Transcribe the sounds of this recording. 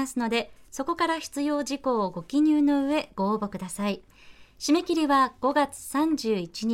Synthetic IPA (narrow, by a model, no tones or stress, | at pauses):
asɨno̞d̪e̞so̞ko̞kaɾaçi̥t͡sɨjo̞ːʑiko̞ːɡo̞kʲiɲ̟ɨːno̞ɯ̟e̞ɡ̥o̞ːbo̞kɯ̟d̪asai | ɕime̞kʲiɾʲiβaɡ̥o̞ɡat͡sɨ̥sãɲd͡ʑɨːit͡ɕiɲ̟